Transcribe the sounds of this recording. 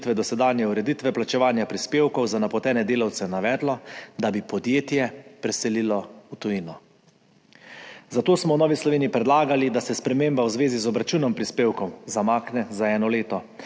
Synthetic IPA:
t̪ʋɛd̪ɔsɛd̪aːnjɛuɾɛd̪it̪ʋɛplat͡ʃɛʋaːnjapɾispeːwkɔwzanapɔt̪ɛːnɛd̪eːlawt̪sɛnaʋɛːd̪lɔd̪abipɔd̪jeːt̪jɛpɾɛsɛlilɔut̪ujinɔ | zat̪oːsmɔwnɔːʋislɔʋeːniipɾɛd̪laːɡalid̪asɛspɾɛmeːmbawzʋeːzizɔbɾat͡ʃuːnɔmpɾispeːwkɔwzamaːknɛzaɛːnɔleːt̪ɔ

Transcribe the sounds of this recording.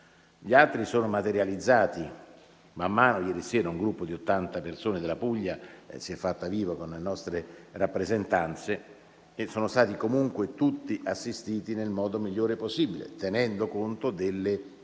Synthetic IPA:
ʎialt̪ɾisoːnomat̪eɾjalid̪zːaːt̪i | mamːaːnojɛːɾisɛːɾauŋɡɾupːod̪iot̪ːant̪apersoːned̪elapuʎːasiɛfːat̪ːaviːvakonlenɔst̪ɾerapːɾezent̪ant̪se | esoːnost̪aːt̪ikomuŋkwet̪ut̪ːiʔasːist̪iːt̪inelmɔːd̪omiʎːoːɾeposːibilḛt̪enɛnd̪okont̪od̪elːe

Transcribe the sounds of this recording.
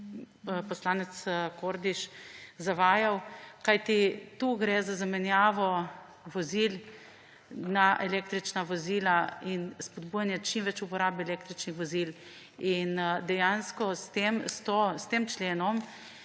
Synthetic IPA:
pɔslaːnɛt̪skoːɾd̪iʃzaʋaːjawkajt̪it̪uɡɾɛzazamɛnjaːʋɔ | ʋɔzil | naʔɛleːkt̪ɾit͡ʃnaʋɔziːlainspɔd̪buːjanjɛt͡ʃimʋɛt͡ʃupɔɾaːbɛɛleːkt̪ɾit͡ʃnixʋɔzil | ind̪ɛjanskɔst̪emst̪ost̪eːmt͡ʃleːnɔm

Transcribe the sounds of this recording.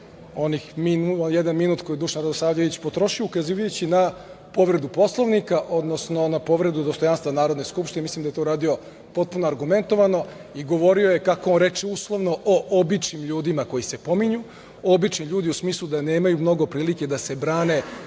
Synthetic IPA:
o̞nixminuonjed̪anminuːt̪kojid̪uʃanɾad̪osˠaːʋʎeʋit͡ɕpo̞t̪ɾo̞ʃioukaziːʋajut͡ɕina | po̞ʋɾe̞d̪upo̞slˠoʋnikaʔo̞d̪no̞sno̞napo̞ʋɾe̞d̪ud̪ost̪ojanst̪ʋanaːɾod̪ne̞skupʃt̪ineislimd̪ajet̪ouɾaːd̪io̞ | po̞t̪̚punoaɾɡume̞nt̪o̞ʋano̞ | iɡo̞ʋo̞ɾio̞je̞kakoonɾe̞t͡ʃeuslˠo̞ʋno̞ʔoʔobit͡ʃnimʎuːd̪imako̞jise̞po̞miɲu | obit͡ʃnimʎuːd̪iusmiːslˠud̪aneːmajumno̞ɡo̞pɾiːlike̞d̪ase̞bɾaːne̞

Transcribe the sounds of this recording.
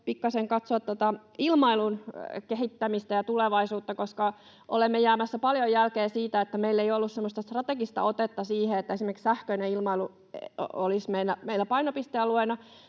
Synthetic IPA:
pikːɑseŋkɑt̪soɑt̪ːot̪ɑ | ilmɑilunkeɦit̪ːæmist̪æjɑt̪uleʋɑisuːt̪ːɑkoskɑ | ʔo̰lemːejæːmæsːæpɑljojjælkeːsiːt̪æet̪ːæmeilːeiolːussemːost̪ɑst̪rɑt̪eɡist̪ɑ̰ot̪et̪ːɑsiːheet̪ːæesimerkssæhkøineilmɑilu | olismeinːˑæmeilːˑæpɑinopist̪eɑluenɑ

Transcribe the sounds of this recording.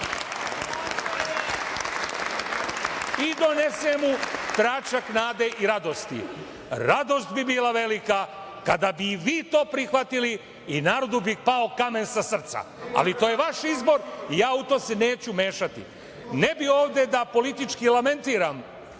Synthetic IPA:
id̪o̞nesemut̪ɾat͡ʃaknaːd̪eʔiɾad̪o̞st̪ḭ | ɾad̪o̞st̪bibiːlaʋe̞lika | kad̪abiʋiːt̪o̞ːpɾixʋat̪ili | inaːɾo̞d̪ubipao̞kame̞nsasr̩t̪sa̰ | a̰lit̪oje̞ʋaʃizbo̞ɾijaːut̪o̞ːseneːt͡ɕume̞ːʃat̪ḭ | nebio̞ːʋd̪e̞d̪apo̞lit̪it͡ʃkilˠame̞nt̪iːɾam

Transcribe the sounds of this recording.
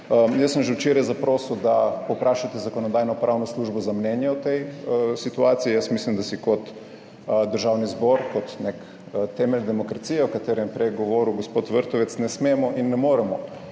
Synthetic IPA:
əjəsːəmʒɛwt͡ʃeɾajzapɾoːsud̪apopɾaːʃat̪ɛzakonɔd̪ajnɔpɾaːwnɔsluʒbɔzamnɛnjɛɔt̪ɛjəsit̪uaːt̪siijəsmislimd̪asikɔt̪ | d̪əɾʒawnizboɾkɔt̪nek | ət̪ɛmɛld̪ɛmɔkɾat̪siːjɛwkat̪eɾɛmpɾɛɡoʋoɾuɡospoːt̪ʋəɾt̪ɔʋɛt̪snɛsmemɔʔinːɛmoːɾɛmɔ

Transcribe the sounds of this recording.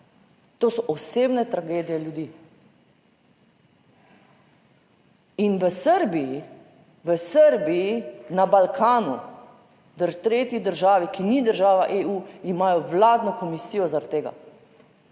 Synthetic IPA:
t̪oːsɔʔɔseːbnɛt̪ɾaɡeːd̪ijɛljud̪iː | inʋəsəɾbiji | ʋəsəɾbijinabalkʰaːnṵ | d̪əɾt̪ɾeːt̪jid̪əɾʒaːʋikinid̪əɾʒaːʋaʔeuːimajɔʋlaːd̪nɔkɔmisiːjɔzaɾt̪ːeːɡa̰

